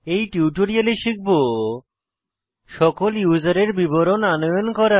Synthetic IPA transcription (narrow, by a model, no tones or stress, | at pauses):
ejʈuwʈoɾialeʃik̚bo | ʃɔkoljud͡ʑaɾeɾbiboɾonanojonkɔɾa